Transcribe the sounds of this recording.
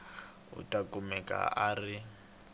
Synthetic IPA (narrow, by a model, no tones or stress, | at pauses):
ṵtʼakʼumɛkʼa̰aːri